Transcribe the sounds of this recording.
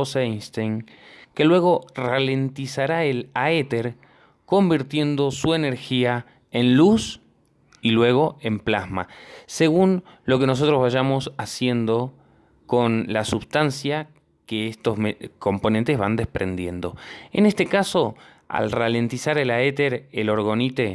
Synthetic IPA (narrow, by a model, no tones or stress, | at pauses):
osanst̪ejŋ | ke̞lwe̞ɣ̞o̞rale̞nt̪isaɾaelaet̪eɾ | ko̞mbiɾt̪je̞nd̪o̞sue̞ne̞ɾxia | e̞nlus | ilwe̞ɣ̞o̞ʔe̞mplazma̰se̞ɣunlo̞ke̞no̞s̬o̞t̪ɾozβaʒamo̞sasje̞nd̪o̞ | ko̞nlasuβst̪ansja | keest̪o̞zmeko̞mpo̞nẽnt̪ezβa̰nd̪espɾe̞̰nd̪je̞nd̪o̞̰ḛnest̪e̞kaso̞ | a̰lrale̞nt̪isaɾelaet̪eɾelo̞ɾɣo̞nit̪e